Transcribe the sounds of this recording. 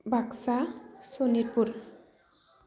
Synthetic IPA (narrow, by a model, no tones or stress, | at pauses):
bʱaksasoniɾpuɾ